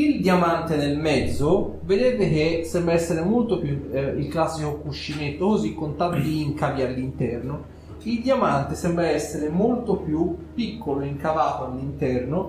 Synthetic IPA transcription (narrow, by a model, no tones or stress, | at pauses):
ild̪jamant̪ed̪elmɛd̪zːo | ved̪eːvek̟esɛmbɾaɛsːeɾemolt̪opjuilklasːikokuʃːinet̪ːokozikːont̪ad̪od̪iːŋkavjialːint̪ɛrno | ild̪jamant̪esɛmbɾaɛsːeɾemolt̪opjupːikʰːoloeiŋkavaːt̪oalːint̪ɛrno